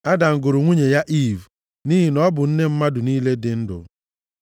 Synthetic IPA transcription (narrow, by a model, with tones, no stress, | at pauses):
a˦da˨ŋ̩˨ɡʊ˨ɾʊ˨ŋʷu˦ɲe˨ja˦ʔi˦˨v | niː˦ɦi˨nɔ˦bʊ˨n̩˦ne˦m̩˦ma˦dʊ˨niː˦le˦dɪ˨n̩˦dʊ̰˨